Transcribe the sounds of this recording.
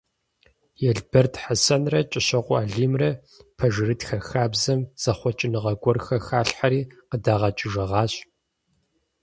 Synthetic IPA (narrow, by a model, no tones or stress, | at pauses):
jɛɮbɐrtħasɐnrɐt͡ʃʼɪɕɐqʷʼɔaːɮiːmrɐ | pʰɐʒɨrɨtxɐxaːbzɐmz̥ɐχʷɔt͡ʃʼɪnɨʁɐɡʷɔrxɐxaːɬħaɾiːqədaːʁɐt͡ʃʼɪʒɐʁɑːɕʼ